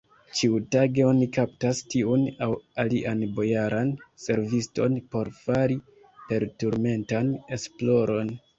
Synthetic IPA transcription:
t͡ʃiutaɡe̞o̞nikaptastiunawaliʔanbo̞jaɾʔanse̞ɾvisto̞̰npo̞ɾfaɾi | pe̞ɾtuɾme̞ntane̞splo̞ɾo̞n

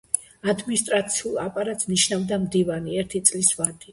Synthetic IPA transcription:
ad̪minist̪ʼɾat̪sʰiulˠapʼaɾat̪ʼsniʃnavd̪amd̪ivaniɛɾt̪ʰit̪sʼlisvad̪̥i

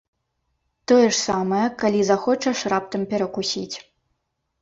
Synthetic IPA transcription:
t̪ɔjɛʂsamɐjɛkalʲizaxɔt͡ʂɐʂrap̚t̪ɐmpʲɛɾɐkusʲit͡sʲ

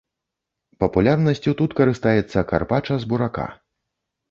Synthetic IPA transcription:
pɐpulʲarnɐsʲt͡sʲut̪ut̪kɐɾɨst̪ajɛt̪sːɐka̰rpat͡ʂɐzbuɾaka̰

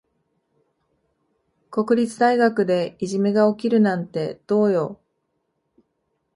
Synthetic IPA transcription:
ko̞kɯ̟ɾʲit͡sɨd̪aiɡakɯ̟d̪e̞iʑime̞ɡao̞kʲiɾɯ̟nãnt̪e̞d̪̥o̞ːjo̞

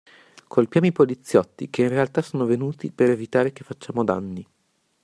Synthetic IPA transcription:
kʰolpjaːmoipolit̪sːjɔt̪ːḭkeinrealt̪asoːnovenuːt̪ipeɾevit̪aːɾek̟efːat͡ʃːaːmod̪a̰nːi

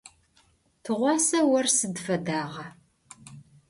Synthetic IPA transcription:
tʰɨʁʷɑːsɐwɐrsɨdfɐdaːʁɐ

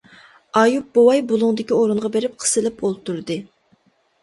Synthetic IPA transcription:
ɑjup̚bowɑjbulˠʊŋd̪ɪkʲioɾuɴʁɑbeɾɪp̚qʰə̥sɨlɪpolˠt̪uɾd̪ɨ

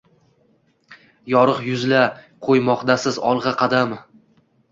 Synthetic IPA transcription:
jɒɾɨqjʊzla | qʰojmɒqd̪asɪzɒlˠʁɑqʰɑd̪am

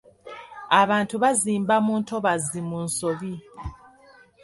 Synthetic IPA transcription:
aβaːntuβaziːmbamuːntʰoβazimunso̞βi

